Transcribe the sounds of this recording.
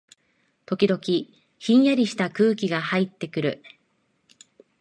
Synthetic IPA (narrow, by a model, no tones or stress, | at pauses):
t̪o̞kʲid̪o̞kʲi | çĩɰ̃jaɾʲiɕi̥t̪akɯ̟ːkʲiɡahait̪ːe̞kɯ̟ɾɯ̟̰